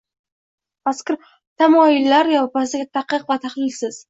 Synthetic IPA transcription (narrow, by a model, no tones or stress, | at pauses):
askʲɪɾ | t̪ʰamɒjɪlːaɾjɒpasɪɡʲɪt̪ʰaqːɨqvat̪ʰaχlɪlsɪz̥